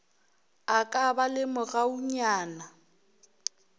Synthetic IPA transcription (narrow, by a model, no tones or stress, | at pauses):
akʼabalɪmʊɣauɲaːna